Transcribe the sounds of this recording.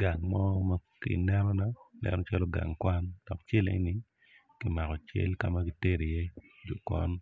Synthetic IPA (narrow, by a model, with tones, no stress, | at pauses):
ɡa˨ŋmɔ˦ma˦kḭ˨nɛ˦ɾɔ˦na˦nɛ̰˨nɔ˦t͡ʃa˦lo˦ɡa̰˨ŋkwa˦nd̥ɔ˨kt͡ʃe˦lḛ˦nɪ˦ | ki˦ma˨kɔ˨t͡ʃḛ˦lka˦ma˦ki˦te˦ɾi˨je˦ | d͡ʒo˨kwa̰˦n